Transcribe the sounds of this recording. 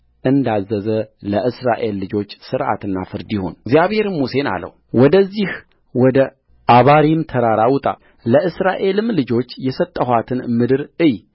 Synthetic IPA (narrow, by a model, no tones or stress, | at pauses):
ʔɨnd̪azːəzələʔɨsɾaʔe̞lːɨd͡ʒo̞t͡ʃːsɨɾʔa̰t̪ɨnːa̰fɨɾd̪iho̞̰nɡzjaβhe̞ɾɨmuse̞na̰lə̰w | wɔd̪əzːih | wɔd̪ə | ʔaβaɾimt̪ʰəɾaɾawt̪ʼa̰ | ləʔɨsɾaʔe̞lɨmlɨd͡ʒo̞t͡ʃːjɛsət̪ʼːəɦʷwat̪ʰɨnmɨd̪ɨɾɨj